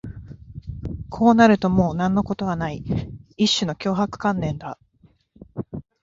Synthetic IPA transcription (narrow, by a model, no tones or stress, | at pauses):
kʰo̞ːnaɾɯ̟t̪o̞mo̞ːnãnːo̞ko̞t̪o̞βanaiiɕːɨno̞kʲo̞ːɦakɯ̟̥kãnːẽ̞nd̪a